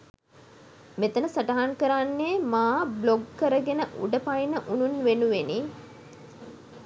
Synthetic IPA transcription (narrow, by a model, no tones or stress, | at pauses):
met̪ənəsɐʈaɦaŋkəɾanːeːmaːbloɡkəɾəɡenəʔṵɖəpajnəʔununʋenuʋeni